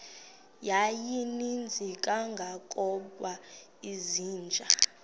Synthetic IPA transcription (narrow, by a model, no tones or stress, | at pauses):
jajinind͡zʱikʼaŋɡʱakʼɔɓwa | iziːnd͡ʒʱa